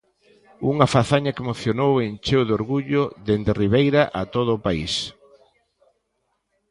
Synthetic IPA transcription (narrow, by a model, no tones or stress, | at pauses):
uŋafaθaɲakemoθjonowent͡ʃewðoɾɣuʎʊðend̪eriβejɾaʔat̪oð̞ʊːpais